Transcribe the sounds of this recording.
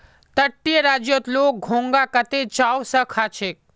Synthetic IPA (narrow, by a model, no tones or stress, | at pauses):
t̪əʈːijəɾaːd͡ʒjot̪loːk̚ɡʱõːŋɡakɐt̪et͡ʃaːwsəkʰaːt͡ʃʰek̚